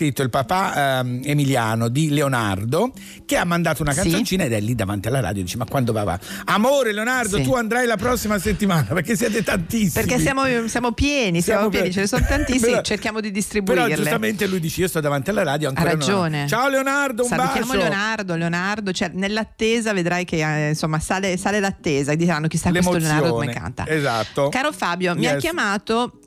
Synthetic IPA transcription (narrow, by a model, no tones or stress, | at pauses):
it̪ːoilpapaemiljaːnod̪ileona̰rd̪o | k̟eamːand̪aːt̪ounakanssont͡ʃiːnaed̪ɛlːid̪ːavant̪ialːaɾa̰ːd̪jod̪iːt͡ʃemakːwand̪ova̰ːva̰amoːɾeleonard̪ot̪uand̪ɾajlapɾɔsːimaset̪ːimaːnapeɾkesːjɛːt̪̬et̪ant̪isːerikːesmsːjaːmosjaːmopjɛːnisamop̬jɛnit͡ʃelesonot̪ant̪isimt͡ʃerkjaːmod̪id̪ist̪ɾibpueɾɔid͡ʒluset̪ament̪elujd̪iːt͡ʃeiːost̪ɔd̪avant̪ialːaɾaːd̪joaŋkaɾːad͡ʒoːnet͡ʃaoleonard̪oumabakːjaaːmoleonard̪oleonard̪ot͡ʃoɛnelːat̪ːeːzaved̪ɾajkeinsomːasaːlesaːlelat̪ːeːzad̪it͡ʃeɾanːok̟isaklesmoolseonaɾd̪okːmenka̰nt̪a̰ezat̪ːokaːɾofaːbjomiakːjamaːt̪o